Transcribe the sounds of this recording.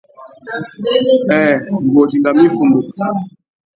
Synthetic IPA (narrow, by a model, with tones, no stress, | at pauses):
ɛ˨ŋ̩˨ɡo˨d͡ʒi˨ŋɡa˨mĩ˦fu˨mbu˨